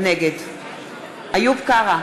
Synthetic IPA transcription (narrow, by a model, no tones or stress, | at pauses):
neɡed̪ | ajupkaʁa